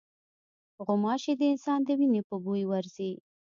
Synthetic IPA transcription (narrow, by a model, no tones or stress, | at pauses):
ɣʊmɑʃed̪əɪnsɑnd̪əwinepəbujwaɾzi